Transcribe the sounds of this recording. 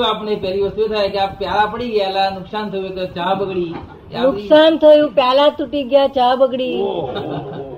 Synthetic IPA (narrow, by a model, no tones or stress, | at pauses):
apɳepəɾiːʋəsuʋet̪ʰaeɡjapjalapəɽiːɡjajlanuksant̪ʰəjuekət͡ɕabəɡɽiː | januksant̪ʰəjuːpjalat̪uʈiːɡʱjat͡ɕabəɡɽiː